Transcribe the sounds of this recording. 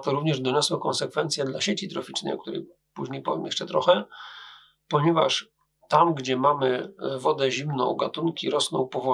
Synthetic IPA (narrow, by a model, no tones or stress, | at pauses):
t̪ɔɾuvɲɛʐd̪ɔɲɔswɔkɔnsɛkfɛnt̪sʲjɛd̪laɕet͡ɕit̪ɾɔfʲit͡ʂnɛ̰jɔ̰k̚t̪uɾɛ̰j | puʑɲejpɔvʲɛmjɛ̥̰ʂt͡ʂɛt̪ɾɔxɛ | pɔɲɛva̰ʂ | t̪amɡd͡ʑɛmamɘvɔd̪ɛʑimnɔ̰̃w̃ɡat̪uŋkʲiɾɔsnɔ̰̃w̃pɔvɔ